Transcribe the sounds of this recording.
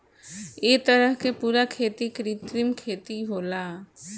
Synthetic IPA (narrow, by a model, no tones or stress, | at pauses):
eːt̪əɾəɦkepuːɾakʰeːt̪ikɾit̪ɾimkʰeːt̪iɦoːlaː